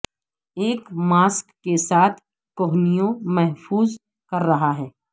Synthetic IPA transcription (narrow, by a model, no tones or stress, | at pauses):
eːkmaːskːesaːt̪ʰ | koɦnijõmɛɦfuːz | kɐɾːɐɦaɦɛː